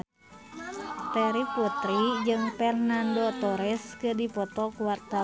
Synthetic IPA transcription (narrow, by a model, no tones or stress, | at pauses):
t̪ɛɾiput̪ɾid͡ʒɨŋpɛrnandot̪ɔɾɛskɨrdipɔt̪ɔkuwart̪a